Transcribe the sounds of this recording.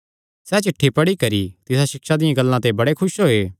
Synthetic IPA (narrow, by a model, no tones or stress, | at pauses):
sɛt͡ʃɪʈʰːipɐɽikɐɾit̪ɪsaʃɪkʃad̪ɪjãɡɐlːãt̪ebɐɽekʰʊʃɦoeː